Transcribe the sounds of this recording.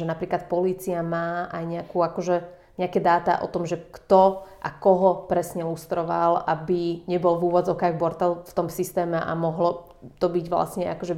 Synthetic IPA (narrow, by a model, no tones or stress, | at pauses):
ʒɛnapɾiːklat̪pɔliːt͡siamaːʔajɲɛakuːakɔʒɛ | ɲɛakɛd̪aːt̪a̰ʔɔ̰t̪ɔmʒɛkt̪ɔʔa̰kɔɦɔpɾɛsɲɛlust̪ɾɔʋa̰labiɲɛbɔlʋuːʋɔd͡zɔkaɣbɔɾt̪alft̪ɔmsist̪ɛːmɛʔa̰mɔɦlɔ | t̪ɔbiɟʋla̰sɲɛʔa̰kɔʒɛ